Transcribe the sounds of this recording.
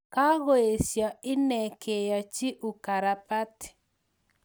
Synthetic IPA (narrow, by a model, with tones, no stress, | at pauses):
ka˦ɣo˨˦e˨sjɔ˨ɪ˦nɛ˨kʰe˨jɔ˨t͡ʃi˦ʔu˨ka˨ɾa˨pa˦t